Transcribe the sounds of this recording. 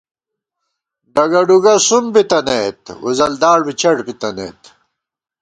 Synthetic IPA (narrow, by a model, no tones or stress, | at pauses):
ɖɐɡɐɖuɡɐsumbit̪ɐneːt̪ṵzɐld̪aːɽbit͡ɕɐɽbit̪ɐnḛːt̪